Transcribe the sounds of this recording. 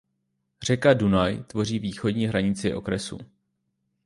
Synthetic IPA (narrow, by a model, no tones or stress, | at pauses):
r̝ɛkadunajt̪vo̞riːviːxo̞dɲiːɦɾaɲɪt͡sɪʔo̞̰kɾɛsṵ